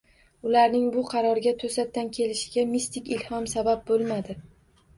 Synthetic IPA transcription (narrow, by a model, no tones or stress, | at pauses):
ʊlaɾnɪŋbʊqʰɑɾɒɾɪɡʲat̪ʰosat̪ːankʲʰe̞lɪʃɪɡʲamist̪ɪkʲɪlhɒmsabap̚bolˠmad̪ɪ